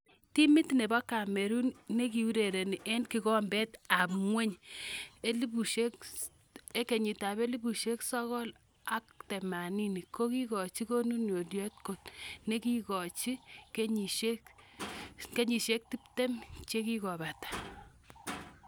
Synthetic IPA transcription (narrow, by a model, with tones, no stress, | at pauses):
ti˦mi˦tne˨bɔ˦ka˨me˨ɾu˦nne˦ki˨wu˦ɾe˨ɾe˨ni˨ʔe˦nki˨kɔ˦mbɛ˦ta˨pŋwe˦ɲ | e˦li˦bu˨ʃe˦k | e˦ke˨ɲi˨ta˨be˦li˦bu˨ʃe˦ksɔ˦ɣɔ˦l | a˦k̚te˨ma˨ni˦ni˨ko˦ki˦kɔ˨t͡ʃi˦ko˦nu˦njo˨djɔ˦t̚ko˨tne˦ki˦kɔ˨t͡ʃi˦ke˦ɲi˨ʃe˦k | ke˦ɲi˨ʃe˦k̚ti˦p̚te˦mt͡ʃe˦ki˦kɔ˨ba˨tḁ˨